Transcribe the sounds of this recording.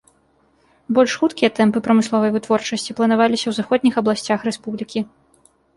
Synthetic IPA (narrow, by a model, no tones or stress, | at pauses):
bɔlʲʂxut̪kʲijɐt̪ɛmpɨpɾɐmɨslˠɔvɐjvɨt̪vɔrt͡ʂɐsʲt͡sʲiplˠɐnavalʲisʲɐwzaxɔd̪̚ʲnʲixɐblˠasʲt͡sʲaxrɛspublʲikʲi